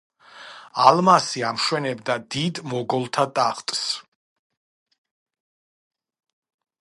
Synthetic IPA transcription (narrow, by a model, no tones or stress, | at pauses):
alˠmasiamʃwɛnɛbd̪ad̪id̪mɔɡɔlˠt̪ʰat̪ʼaχt̪ʼs